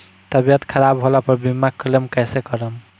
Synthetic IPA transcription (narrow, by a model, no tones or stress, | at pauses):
t̪əbijət̪kʰəɾabɦolapəɾbimːakːəlemkajsekɔɾəm